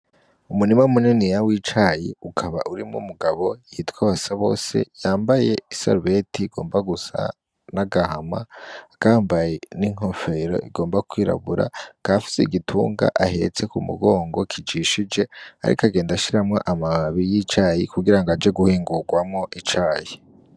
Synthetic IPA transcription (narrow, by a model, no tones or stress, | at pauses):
umunimaumuninijawit͡ʃajiukʰaβa̰ʔuɾimṵmuɡaβo̞iitkwaβasaβo̞̰ːse̞̰jaːmbaje̞iso̰ɾβetʰiːɡ̥o̞ːmbaɡusa̰ | naɡahamaakaːmbaje̞niŋho̞fe̞ɾo̞̰ʔiɡo̞ːmbakwiːɾa̰βuɾa̰kafi̥seiɡitʰṵːŋɡa̰ʔahe̞t͡se̞kumṵɡo̞ːŋɡo̞kʰid͡ʒiʃid͡ʒe̞a̰ɾḭkaɡe̞ːndaʃiɾamŋoʔamaβijit͡ʃaːjikuɡiɾaŋɡad͡ʒe̞ɡuhiːŋɡuɡwamŋo̞ʔit͡ʃaːji